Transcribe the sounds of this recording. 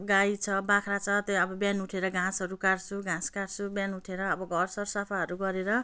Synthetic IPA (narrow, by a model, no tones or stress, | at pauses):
ɡajt͡sʰʌbakʰrat͡sʰʌt̪joʌbʌbjanuʈʰeɾʌɡʱãsʌɾukarsʰuɡʱãskarsʰubjanuʈʰeɾʌːbʌɡʱʌrsʌrsʌpʰaɦʌɾuɡʌɾeɾʌ